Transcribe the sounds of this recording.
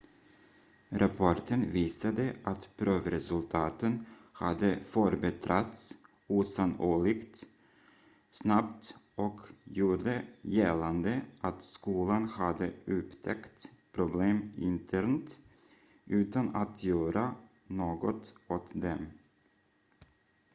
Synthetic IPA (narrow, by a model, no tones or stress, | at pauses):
ɾʔapʰɔʈənviːsad̪əʔat̪pʰɾøːvɾɛsɵlt̪ʰɑːt̪ənha̰d̪əfœɾbɛt̪ʰɾat̪s | uːsanoːɭɪɡt̪ | snapt̪ʔɔkjuːɖəjɛland̪əʔat̪skuːlanhad̪əɵpt̪ʰɛkt̪pʰɾʊbleːmɪnt̪ʰæɾnt̪ | ʔʉ̟ːt̪anat̪ʰjœːɾʔa | noːɡɔt̪ɔt̪d̪ɛm